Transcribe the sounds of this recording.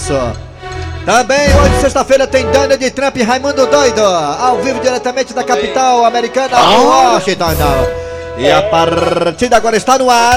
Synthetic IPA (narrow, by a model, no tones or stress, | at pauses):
so | t̪ɐ̃bẽj̃oʒɪsest̪ɐfejɾɐt̪ẽj̃d̪ɐ̃nɪd͡ʒɪt̪ɾɐ̃mpɪɦajmɐ̃nd̪ʊd̪ojd̪ʊawvivʊd͡ʒiɾɛt̪ɐmẽnt͡ʃɪd̪ɐkapit̪awameɾikɐ̃nɐoaʃit̪anɐ̃w | ɪapaɾt͡ʃiɾd̪aɡɔɾɐɪst̪anʊa